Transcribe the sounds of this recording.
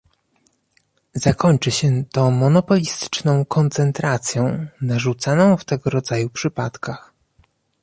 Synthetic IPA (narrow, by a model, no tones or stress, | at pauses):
zakɔɲt͡ʂɘɕɛt̪ɔ̃mɔnɔpɔlʲist̪ɘ̥t͡ʂnɔ̃w̃kʰɔnt̪sɛnt̪ɾat̪sʲjɔ̃w̃naʐut̪sanɔ̃w̃ft̪ɛɡɔɾɔd̪zajupʂɘpat̪kax